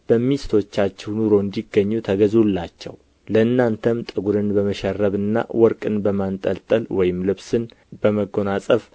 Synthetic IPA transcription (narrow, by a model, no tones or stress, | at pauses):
b̥əmːist̪ʰo̞t͡ʃːat͡ʃːɛwnuɾo̞ɨnd̪iɡːəɲːut̪ʰəɡəzulːat͡ʃːɛ̰w | ləɨnːant̪ʰəmt̪ʼɨɡuɾɨnbəməʃɛrːəβɨnːa̰wɔɾkʼɨnbəmant̪ʼə̰lt̪ʼəlwɔjɪmlɨβsɨn | b̥əməɡo̞nasʼəf